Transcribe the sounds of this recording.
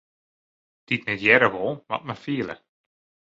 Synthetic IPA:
d̥itnɛtjɛɾəʋɔlˠʋɔ̰t̚məfiələ̰

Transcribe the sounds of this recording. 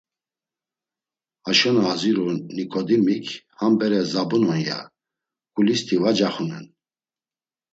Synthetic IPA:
aʃɔnaːziɾɔnikʰʼɔd̪imikʰhambɛɾɛzabunɔnja̰ | kʼulist̪ʰivad͡ʒaχunɛn

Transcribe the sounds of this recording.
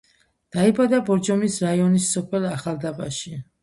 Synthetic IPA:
d̪̥aibad̪abɔɾd͡ʒɔmisɾaiɔnisːɔpʰɛlaχalˠd̪abaʃi

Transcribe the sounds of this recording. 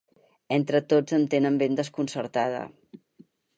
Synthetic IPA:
ent̪ɾət̪od͡zənt̪enəmbend̪əskunsəɾt̪að̞ə̰

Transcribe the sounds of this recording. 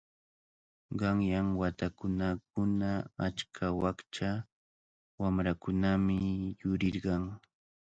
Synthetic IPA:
ɢɑŋjaŋwat̪akʊnak̚ʊnaat͡ʃkʰawakt͡ʃa | wamɾakʊnamɪjʊɾɪɾɢɑŋ

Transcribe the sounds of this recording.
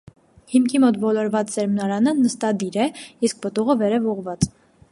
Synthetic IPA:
himkʰimɔt̪vɔlɔɾvɑt͡ssɛɾmnɑɾɑnənəst̪ɑd̪iɾɛisk̚pət̪uʁəvɛɾɛvɔʁvɑt͡s

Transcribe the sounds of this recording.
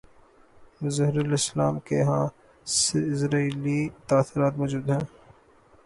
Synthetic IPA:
mʊzaɦɪɾlɪslaːmkeɦãː | sɪsɾaːiːlit̪aːsɪɾaːt̪mɔːd͡ʒuːd̪ɦɛ̃ː

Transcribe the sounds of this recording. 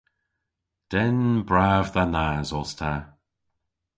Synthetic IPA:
d̥ɛnbɹaːvðanaːzɔstʰa

